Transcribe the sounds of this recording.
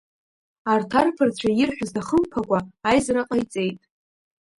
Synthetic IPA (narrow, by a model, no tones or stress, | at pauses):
artʰarpʰart͡ɕʷʰajɪrħʷᶣʊzdaχəmpʰakʷʼaːjzraqʼajt͡sʼe̞jtʼ